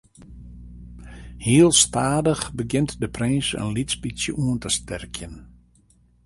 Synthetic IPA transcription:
hiəlˠstaːdəxbəɡɪntdəprɪnsə̰nlitspisjəʔuəntəstɛrkʰjən

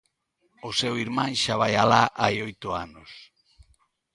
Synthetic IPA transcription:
ʊsewiɾmãŋʃaβ̞ajalaʔajojt̪ʊanos

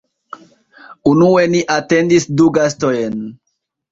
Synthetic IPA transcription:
unue̞niʔate̞ndisduɡastojen

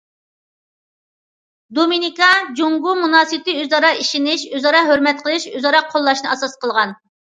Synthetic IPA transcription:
d̪ominikɑd͡ʒoŋɡumunɑːsɨt̪ɨøzɑɾɑiʃinɪʃøzɑɾɑɦøɾmɛt̪̚qʰəlˠɨʃøzɑɾɑqʰolˠːɑʃnɨɑsɑsqʰəlˠʁɑn

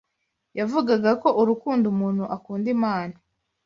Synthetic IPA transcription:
javuɡaɡako̞ʔuɾukuːndumuːn̥huʔakuːndimaːna

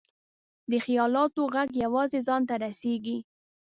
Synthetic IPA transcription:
d̪əxijɑlɑt̪oɣaɡjawɑzezɑnt̪aɾaseɡi

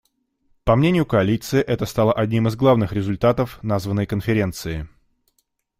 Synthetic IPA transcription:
pɐmnʲenʲɪjʊkəɐlʲit̪sɨɪʔɛt̪əst̪alˠəʔɐdʲnʲimɨzɡlˠavnɨxɾʲɪzʊlʲt̪at̪əfnazvənːəjkənfʲɪɾʲent̪sɨɪ

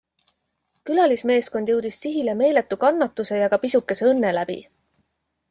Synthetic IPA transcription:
kylɑlisme̞ːsko̞nd̪jɤ̞wd̪̥issiɦileme̞ːle̞t̪ːukɑnːɑt̪ːˑuse̞jɑɡ̥ɑpisukːˑe̞seɤnːe̞læb̥ḭ

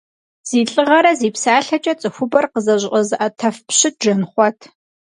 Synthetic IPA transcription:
z̥iːɬʼɨʁɐɾɐziːpsaːɬɐt͡ʃʼɐt͡sʼɨxʷʊbɐrqəzɐʑʷʔʼɐzʔɐtʰɐfpɕɪt̚ʒɐnχʷɔtʰ

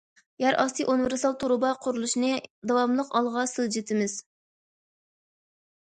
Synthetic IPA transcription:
jæɾʔɑsɨjʔunɨveɾsɑlˠt̪ʰuɾubɑqʰʊɾulˠuʃnɨd̪ɑwɑmlˠəqɑlˠʁɑsɨlˠd͡ʒet̪ʰɪmɪz̥

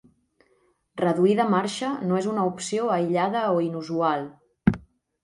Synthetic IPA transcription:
rəðuiðəmaɾʃənoezunəupsioəjʎaðəoinuzualˠ

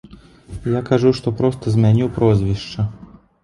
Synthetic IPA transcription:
jakaʐuʂt̪ɔpɾɔst̪ɐzʲmʲanʲiwpɾɔzʲvʲiʂt͡ʂɐ

